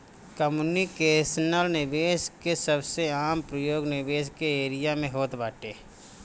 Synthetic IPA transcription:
kəmunikeːsnəlnɪʋeːskesəbseaːmpɾəjoːɡnɪʋeːskeeːɾɪjamẽɦoːt̪baːʈeː

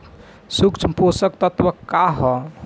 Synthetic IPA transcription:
sukt͡ʃʰmposəkt̪ət̪ʋəkːaɦɔ

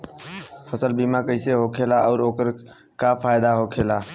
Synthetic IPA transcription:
pʰəsəlbimakəɪiseɦokʰelaɔːɾoːkəɾ | kapʰaːɪd̪aɦokʰeːlaː

